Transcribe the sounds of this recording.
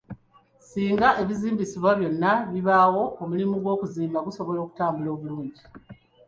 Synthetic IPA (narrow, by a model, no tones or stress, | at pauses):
siːŋɡaʔe̞βiziːmbisiβwaβjo̞nːaβiβawo̞omulimuɡwo̞ːkuziːmbaɡuso̞βo̞lo̞ːku̥taːmbulo̞ːβuluːɲɟi